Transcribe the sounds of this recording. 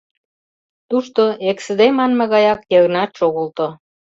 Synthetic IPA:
t̪uʃt̪oeksə̆d̪emɑnmə̆ɣɑjɑkjəɣnɑt̪ʃoɣolt̪o

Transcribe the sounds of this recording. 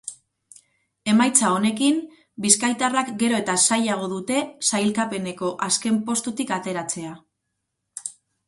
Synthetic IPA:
e̞majt͡sao̞ne̞kim | biskajt̪arakɡe̞ɾo̞e̞t̪asajaɣ̞o̞ðut̪e̞sajlkape̞ne̞ko̞ʔaske̞mpo̞st̪ut̪ikat̪e̞ɾat͡se̞a

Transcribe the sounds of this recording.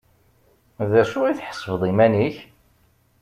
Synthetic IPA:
ðæʃʊʁiθħə̥sˤːəvðˤimæniç

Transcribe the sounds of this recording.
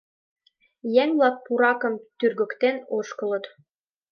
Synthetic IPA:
jæŋlɑk̚puɾɑkɤ̆mt̪yrɣɘ̆kt̪enoʃkɤ̆lɤ̆t̪

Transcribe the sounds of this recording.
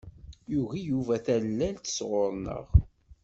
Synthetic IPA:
juɣijuvæθælːælt̪ə̥sʁʊɾˤnə̰ʁ

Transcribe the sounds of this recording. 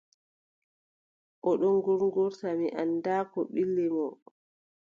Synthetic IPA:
ʔɔɗɔŋɡuɾŋɡuɾtamiʔandaːkɔɓilːɛmɔ

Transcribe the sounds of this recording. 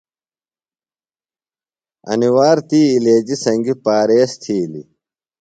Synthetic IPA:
ɐ̰niwaːɾt̪iːleːd͡ʑisɐŋɡipaːɾeːst̪ʰiːlḭ

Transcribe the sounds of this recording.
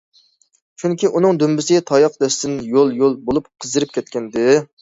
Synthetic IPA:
t͡ʃʰyŋkʲiʔunɨŋd̪ymbɪsɪɡʲɛt̪ʰɑjɑqd̪ɛst̪ɪnjolˠjolˠbolˠupqʰəzd̪ɨɾɪp̚kʲʰɛt̪̚kʲʰɛnd̪ɪ

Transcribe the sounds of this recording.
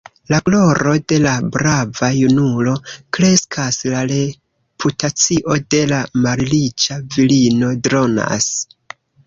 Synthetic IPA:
laɡlo̞ɾo̞de̞labɾavajunulo̞kɾe̞skʰaslaɾe̞ | pʰutat͡siʔo̞de̞lamaɾlit͡ʃavilino̞dɾo̞na̰s

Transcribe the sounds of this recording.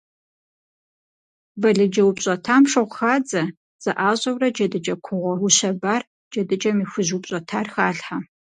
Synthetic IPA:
bɐɮɨd͡ʒɐwʊpɕʼɔtʰaːmʂɐʁʷxaːd͡zɐ | z̥ɐʔaːɕʼɐwrɐd͡ʒɐdɨd͡ʒɐkʷʰʊʁʷɔwʊɕɐbaːr | d͡ʒɐdɨd͡ʒɐmiːxʷʊʑwʊpɕʼɔtʰaːrxaːɬħa

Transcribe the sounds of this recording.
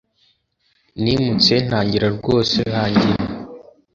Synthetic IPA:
nimut͡se̞n̥haːɲɟiɾaɾɡo̞ːsehaːɲɟiɾa

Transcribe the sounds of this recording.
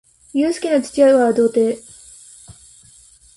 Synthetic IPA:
jɯːsɨ̥kʲinot͡ɕɨ̥t͡ɕijaɯβad̪o̞ːt̪eː

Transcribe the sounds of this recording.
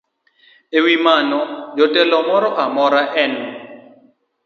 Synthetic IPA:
ewimanɔd͡ʒɔtɛlɔmɔɾɔʔamɔɾaʔɛnɔ

